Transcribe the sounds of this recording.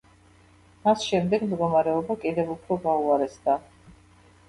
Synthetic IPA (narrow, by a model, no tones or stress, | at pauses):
masʃɛmd̪ɛɡmd̪ɡɔmaɾɛɔbakʼid̪ɛvupʰɾɔɡauaɾɛsd̪a